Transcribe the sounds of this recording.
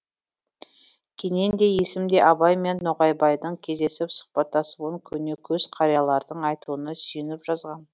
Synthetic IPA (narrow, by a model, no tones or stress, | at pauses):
kʲʰe̞ne̞nd̪e̞je̞sɪmd̪e̞ʔɑbɑjme̞nːoʁɑjbɑjd̪əɴkʲʰe̞zd̪e̞sɪpsʊ̥χpɑt̪ːɑsəwəŋkʲʰɵne̞kʲʰɵz̥qʰɑɾijɑlˠɑɾd̪əɴɑjt̪uənəsʏjɪnɪpʒ̥ɑzʁɑn